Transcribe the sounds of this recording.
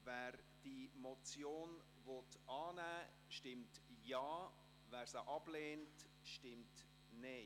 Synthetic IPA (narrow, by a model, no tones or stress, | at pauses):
vɛːɾ | d̥imot͡sjoːn | votɑːnæː | ʃtɪmtjɑː | væːɾsaʔɑb̥leːnt | ʃtɪmt | neː